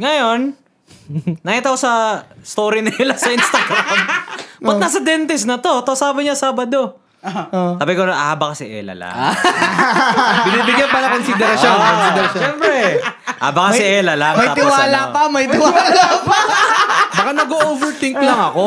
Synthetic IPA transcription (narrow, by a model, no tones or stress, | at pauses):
ŋɐjo̞n | ɐkiːt̪ɐkosɐst̪oːɾɪnɪlɐsɐʔinst̪ɐɡɾambɐnaːsɐd̪ɛnt̪ɛsnɐt̪o̞t̪ɐsaːbɐɲasaːbɐd̪o̞ | taːbɪkonʔa̰bɐkɐsɪʔɛ̰lɐ̰la̰ | bɪniːbɪɡjɐnpɐnɐkonsɪd̪ɛɾɐsonkonsɪd̪ɛɾɐʃɛmpɾɛʔa̰ːbɐkɐsɪʔɛlɐlamɐjt̪ɪwaːlapɐmɐjt̪ɪwaːlapa | bakanɐɡoʔovɛɹt̪ɪŋklɐŋɐko